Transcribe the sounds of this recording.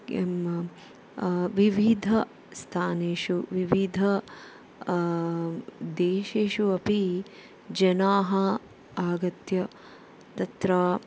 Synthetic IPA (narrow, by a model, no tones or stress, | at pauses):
m | ʋiʋid̪ʱɐ | st̪ʰaːneːʃuʋiʋid̪ʱɐ | d̪eːʃeːʃuɐpi | d͡ʒɐnaːɦɐ | aːɡɐt̪jɐ | t̪ɐt̪ɾaː